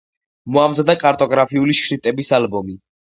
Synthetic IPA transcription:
mɔamzad̪akʼaɾt̪ʼɔɡɾapʰiuliʃɾit̪ʼɛbisalbɔmi

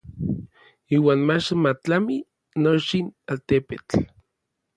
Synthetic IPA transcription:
iːwaːnmat͡ʃmat͡ɬami | not͡ʃinalt̪epet͡ɬ

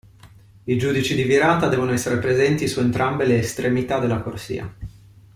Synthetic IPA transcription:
id͡ʒud̪it͡ʃid̪iviɾaːt̪ad̪ɛːvonoɛsːeɾepɾezɛnt̪isuent̪ɾʔambeleːst̪ɾemit̪ad̪elːakorsḭːa̰

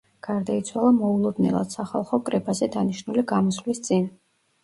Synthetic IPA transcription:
ɡ̥aɾd̪ait̪sʰwalˠamɔulˠɔd̪nɛ̰lˠa̰d̪̥saχalˠχɔkʼɾɛbazɛd̪aniʃnuliɡamɔslist̪sʼin

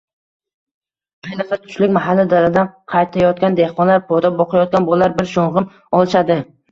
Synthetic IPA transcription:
qʰɑjnɨqsat̪ʰʊ̥ʃlɪkʲmaɦalːɪd̪alad̪anqʰɑjt̪ʰajɒt̪̚kʲand̪ehqɒnlaɾpʰod̪abɒqʰajɒt̪̚kʲanbolːaɾbɪɾʃoɴʁɨm | ɒlˠɪʃad̪ɪ

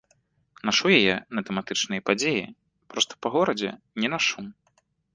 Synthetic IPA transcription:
naʂujajɛnɐt̪ɛmat̪ɨt͡ʂnɨjɐpad͡zʲeji | pɾɔst̪ɐ̥pɐɣɔɾɐd͡zʲɛ̰ | nʲɛnaʂum

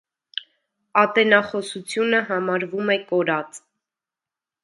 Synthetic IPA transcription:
ɑt̪ɛnɑχɔsut͡sʰjunəɦɑmɑɾvumɛkɔɾɑt͡s

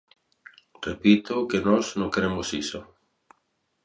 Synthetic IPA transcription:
repit̪okenɔznõŋkeɾemʊsiso

